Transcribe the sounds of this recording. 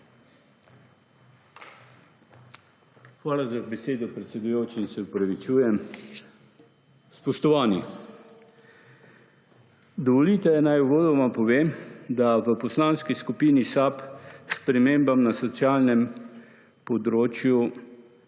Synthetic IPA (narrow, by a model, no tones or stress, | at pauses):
xʋaːlazabɛseːd̪ɔpɾɛt̪sɛd̪ujoːt͡ʃiːnsɛupɾaʋit͡ʃuːjɛm | spɔʃt̪ɔʋaːni | d̪ɔʋɔliːt̪ɛjɛnajuʋoːd̪ɔmampɔʋeːmd̪aʋəpɔslaːnskiskupiːnisapspɾɛmeːmbamnasɔt̪sjaːlnɛm | pɔd̪ɾoːt͡ʃju